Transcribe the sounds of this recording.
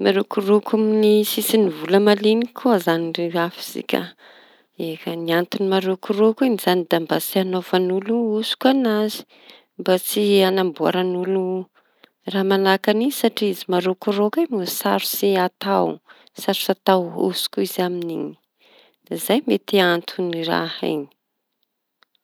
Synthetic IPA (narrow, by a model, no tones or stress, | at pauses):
maɾokuɾokʰuminisisinivuləmalinikʰuazanireafiz̥ḭkʲə̰ | ekaniant̪inimaɾokuɾokuinizanid̪ambasianofanuluusu̥kuanazi̥ | mbat͡sianambua̰ɾanulu | raːmanakanisaʈ͡ʂiizimaɾukurokamusaɾusiat̪aw | saɾi̥sat̪awṵsu̥kuizaminḭni̥ | zajmet̪iant̪ʰunira̰ha̰ni̥